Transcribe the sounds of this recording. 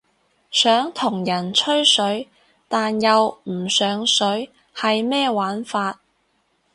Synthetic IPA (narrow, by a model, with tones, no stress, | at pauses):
sœː˨˥ŋt̪ʰʊ˨˩ŋjɐ˨˩nt͡ʃʰɵ˥ɥsɵ˨˥ɥ | t̪aː˨njɐ˨wm̩˨˩sœː˨˥ŋsɵ˨˥ɥ | hɐ˨jmɛː˥waː˨˥nfaː˧t̚